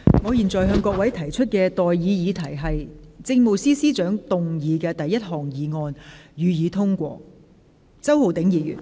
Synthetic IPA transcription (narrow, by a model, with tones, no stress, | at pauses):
ŋɔː˨˧jiː˨˩nt͡sɔː˨˩jɦœː˧ŋkʷɔː˧k̚wɐ˨˥jt̪ʰɐ˨˩jt͡ʃʰɵ˥t̚kɛː˧t̪ɔː˨˩jjiː˨˧jiː˨˧t̪ʰɐ˨˩jɦɐ˨jt͡sɪ˧ŋmo˨˩siː˥siː˥t͡ʃœː˨˥ŋt̪ʊ˨ŋjiː˨˧kɛː˧t̪ɐ˨jːɐ˥t̚hɔː˨ŋjiː˨˧ŋɔː˧njyː˨˧jiː˨˧t̪ʰʊ˥ŋkʷɔ̰ː˧ | t͡sɐ˥who˨˩wt̪ɪ˨˥ŋjiː˨˧jy̰ː˨˩n